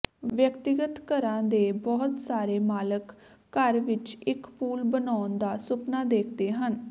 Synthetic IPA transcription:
ʋjəkt̪ɪɡət̪kəɾãːd̪eːbɔːt̪saːɾeːmaːləkː | əɾʋɪt͡ʃɪkpuːlbənaːnd̪aːsʊpnaːd̪eːkʰd̪eːɦən

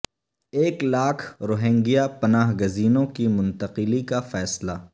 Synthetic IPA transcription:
eːklaːkʰɾoːɦẽːŋɡijapɐnaːɦɡəziːnõkimʊ̃nt̪əqɪlikafɛːsla

